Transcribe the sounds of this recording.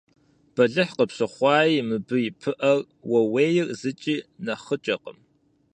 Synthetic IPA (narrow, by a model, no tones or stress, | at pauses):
b̥ɐɮɨħqəpɕɨχʷɑːjimɨbɨipʰɨʔɐr | wɐweːjɪrzɨt͡ʃʼiːnɐχət͡ʃʼɐqə̰m